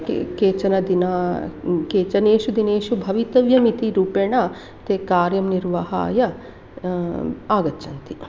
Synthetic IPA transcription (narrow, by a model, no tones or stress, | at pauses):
kkeːt͡ʃɐnɐd̪inaːkeːt͡ʃɐneːʃud̪ineːʃubʱɐʋit̪ɐʋjɐmit̪iɾuːpeːɳaː | t̪eːkaːɾjɐmniɾʋaɦa̰ːjɐ | aːɡɐtːʃɐnt̪i